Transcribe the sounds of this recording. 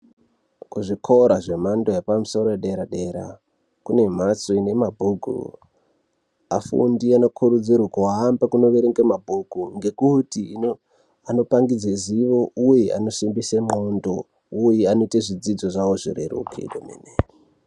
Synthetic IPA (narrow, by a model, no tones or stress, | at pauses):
kuʐikʰoɾaʐe̞mandojepamuso̞ɾoeɗeɾaɗe̞ɾa̰ | kune̞m̤at͡soine̞mabʱukṵ | afṵndiano̞kʰuɾud͡zirwakoaːmbakuno̞ʋeɾeŋɡemabʱukuŋɡe̞kutiino | ano̞paŋɡid͡zeziʋo̞ujeʔa̰no̞simbisemondo | ujeano̞iteʐid͡zid͡zo̞ʐawo̞ʐḭɾḛɾṵkʰḭko̰mḛnei